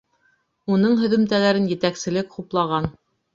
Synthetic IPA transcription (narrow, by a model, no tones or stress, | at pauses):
unɤɴɦɵ̆ðɵ̆mt̪ælæɾɘnjɘ̆t̪æksɘ̆lɘkquplˠɑʁɑn